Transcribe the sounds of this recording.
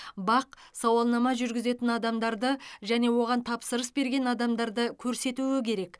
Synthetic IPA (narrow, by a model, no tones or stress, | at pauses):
bɑqsɑwɑlˠnɑmɑʒʏɾɡʲɪze̞t̪ɪnɑd̪ɑmd̪ɑɾd̪əʒæne̞wo̞ʁɑnt̪ʰɑpsəɾəsbe̞ɾɡʲe̞nɑd̪ɑmd̪ɑɾd̪əkʲʰɵɾse̞t̪uɪkʲʰe̞ɾe̞k